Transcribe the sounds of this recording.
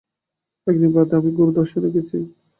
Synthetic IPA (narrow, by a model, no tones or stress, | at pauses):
ɛk̚d̪inbad̪eamiɡoɾud̪ɔɾʃed̪ekʰet͡ɕʰi